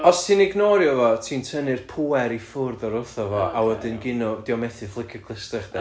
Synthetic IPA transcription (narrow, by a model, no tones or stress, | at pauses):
ɔstʰinɪɡnɔɾjɔvɔtʰiːntʰənɨrpʰuːɛɾifʊrðɔɾʊθɔvɔawədɪnɡɪnɔd̥ɪɔmɛθɨflˠɪkʰjɔkʰlˠəstɛχdɛ